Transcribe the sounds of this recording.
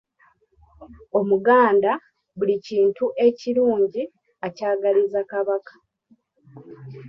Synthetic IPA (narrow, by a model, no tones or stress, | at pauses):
o̞muɡaːnda | βuliciːntuʔe̞ciɾuːɲɟi | acaːɡalizakaβakḁ